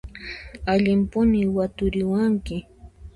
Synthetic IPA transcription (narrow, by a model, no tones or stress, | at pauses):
aʎɪmpʊnɪwat̪ʊɾɪwaŋkɪ